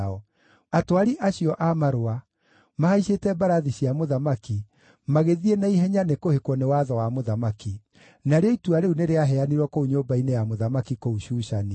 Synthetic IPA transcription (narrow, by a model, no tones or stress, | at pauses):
ɔ | atowaɾiʔaɕijɔʔamaɾoa | maaiɕetɛbaɾaðiɕiamoðamaki | maɣeðienaiɦɛɲanekohekwɔnewaðɔwamoðamaki | naɾeɔituaɾeuneɾeaɦɛaniɾwɔkouɲobainejamoðamakikouɕuːɕani